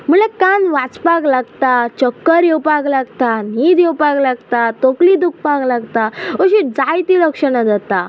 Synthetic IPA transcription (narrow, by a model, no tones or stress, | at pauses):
m̤əɳlakanʋat͡spaɡlaɡt̪at͡ɕəkːəɾjewpaɡlaɡt̪anid̪jewpaɡlaɡt̪at̪oklid̪uk̚paɡlaɡt̪aəɕid͡zajt̪iɾəkʂənad̪at̪a